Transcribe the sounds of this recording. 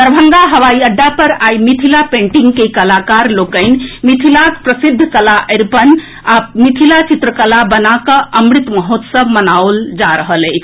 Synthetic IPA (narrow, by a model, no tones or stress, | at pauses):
t̪əɾbʱəŋɡaɦəʋaiəɖːapəɾaimit̪ʰilapẽɳʈiŋɡkekəlakaɾlokəɪn̆mit̪ʰilaspɾəsid̪ʱːəkəlaʔəɪɾpən | amit̪ʰilat͡ʃit̪ɾəkəlabənakəʔəmɾit̪məɦot̪səbmənaold͡ʒaɾəɦələɪ